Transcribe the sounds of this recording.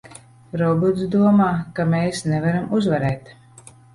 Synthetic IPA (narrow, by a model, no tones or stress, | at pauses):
ɾɔbut̪sd̪uɔmaːkameːsnɛvaɾamuzvaɾɛːt̪